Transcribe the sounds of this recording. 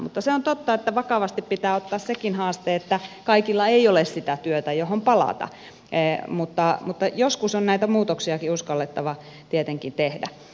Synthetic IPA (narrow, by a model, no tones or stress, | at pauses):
mṵt̪ːɑseont̪ot̪ːɑet̪ːæʋɑkɑʋɑst̪ippit̪æːot̪ːɑːssekinhɑːst̪eːet̪ːækɑikilːɑeiolessit̪æt̪yøt̪æjohompɑlɑ̰t̪ɑ̰ | mut̪ːɑmut̪ːɑjoskusonnæit̪æmuːt̪oksiɑkiuskɑlːet̪ːɑʋɑ | t̪iet̪eŋkint̪ehdæ̰